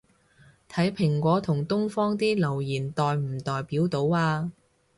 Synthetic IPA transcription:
t̪ʰɐ˨˥jpʰɪ˨˩ŋkʷɔː˨˥t̪ʰʊ˨˩ŋt̪ʊ˥ŋfɔː˥ŋt̪iː˥lɐ˨˩wjiː˨˩nt̪ɔː˨˧jm̩˨˩t̪ɔː˨jpiː˨˥wt̪o˨˥waː˧

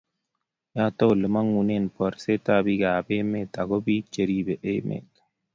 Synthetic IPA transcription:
ja˦to˦wlə˨ma˦ŋu˨ne˦˨npɔ˨ɾse˦ta˦bi˦ɡa˨be˦me˦˨ta˨ɡo˦bi˦t͡ʃe˨ɾi˦bɛ˨ʔe˦mḛ˨t

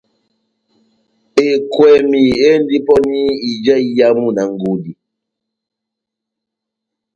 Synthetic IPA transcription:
e˨kwɛ˨mi˨e˦n̩˦di˦pɔ˦ni˦i˨d͡ʒa˦i˦ja˦mu˦na˨ŋ̩˦ɡo˨di˨

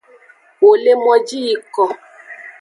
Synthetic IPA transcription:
wo˨le˦mɔ˦d͡ʒi˦i˦˨kɔ˨

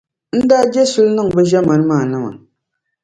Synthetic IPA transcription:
n̩˦daː˦d͡ʒɛ˦su˦lnɨ˦ŋbɛ˦ʒɛ˦ma˨n˦maː˦˨nɨ˦ma̰˨

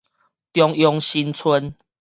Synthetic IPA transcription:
t̪jɔ˦ŋjɔ˦ŋɕi˦nt͡sʰwə˦n

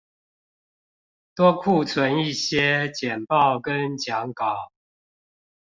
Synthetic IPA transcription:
t̪wɔ˦kʰu˥˨t͡sʰwə˨˦ni˥˨ɕjɛ˦t͡ɕjɛ˨˩npɑ˥˨ʊkə˦nt͡ɕjɑ˨˦ŋkɑ˨˦ʊ

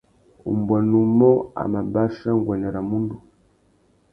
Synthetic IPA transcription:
ṵ˨mbwa˨nu˨˦mɔ˦a̰˨ma˨ba˦ʃa˦ŋ˦ɡwa˨ɲa˨ɾa˨mu˦ndu˨

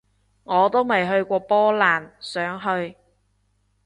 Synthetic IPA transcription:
ŋɔː˨˧t̪o˥wmɐ˨˩jɦɵ˧ɥkʷɔː˧pɔː˥laː˨˩nsœː˨˥ŋɦɵ˧ɥ

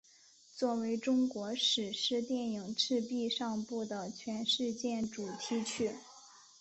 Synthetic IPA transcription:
t͡swɔ˥˩we˧˥ɪʈ͡ʂʊ˥ŋkwɔ˧˥ʂɻ̩˨˩ʂɻ̩˥˧t̪jɛ˥˩ni˨˩ŋʈ͡ʂʰɻ̩˥˧pi˥˧ʂɑ˥˧ŋpu˥˩d̪ə˩t͡ɕʰɥɛ˧˥nʂɻ̩˥˧t͡ɕjɛ˥˩nʈ͡ʂu˨˩t̪ʰi˧˥t͡ɕʰy˥˩

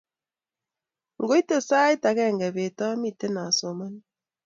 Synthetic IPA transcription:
ŋ˨ɡo˦i˦te˨sa˦i˦ta˨kɛ˦˨ŋɡɛ˨βe˨tɔ˦mi˦˨te˦na˨so˨ma˦n

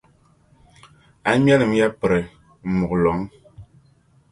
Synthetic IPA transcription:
a˨mja˦lɨ˨m˦ja˦pɛ˨ɾɛ˨ | mu˨klɔ˨˦ŋ

